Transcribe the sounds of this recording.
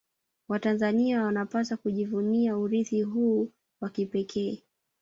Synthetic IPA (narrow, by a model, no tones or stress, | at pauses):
watanzaniawanapasakuʄivuniauɾiθiɦuː | wakipɛkʰɛː